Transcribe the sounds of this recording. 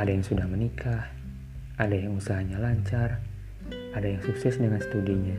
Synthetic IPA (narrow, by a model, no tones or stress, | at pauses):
adajaŋsudahmənikʰah | adajaŋusaɦaɲalaɲt͡ʃar | adajaŋsuksɛsdəŋanst̪udiɲa